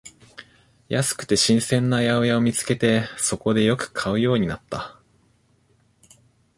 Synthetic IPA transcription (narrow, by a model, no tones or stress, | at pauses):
jasɨ̥kɯ̟̥t̪e̞ɕĩɰ̃sẽ̞nːajaojaomʲit͡sɨ̥ke̞t̪e̞so̞ko̞d̪e̞jo̞kɯ̟̥kʰaɯ̟jo̞ːɲ̟inat̪ːa